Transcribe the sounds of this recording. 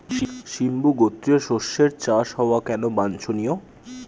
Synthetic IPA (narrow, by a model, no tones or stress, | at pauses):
ʃimbuɡot̪ːeʃoʃːeɾt͡ɕaʃɦɔoakɛnobant͡ɕʰonijo